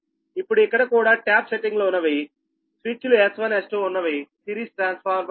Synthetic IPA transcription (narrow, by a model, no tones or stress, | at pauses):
ipːuɽuikːɐɽɐkuːɽaːʈaːpseʈiŋɡloːunːɐʋi | sʋit͡ʃːuluesʋɐnesʈuunːɐʋisiɾiːsʈɾaːnspʰaːɾ